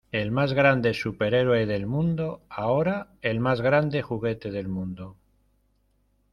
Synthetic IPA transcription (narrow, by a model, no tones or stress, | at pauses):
e̞lmazɣɾand̪e̞supe̞ɾe̞ɾweðe̞lmũnd̪o̞ao̞ɾae̞lmazɣɾand̪e̞xuɣ̞e̞t̪e̞ð̞e̞lmũnd̪o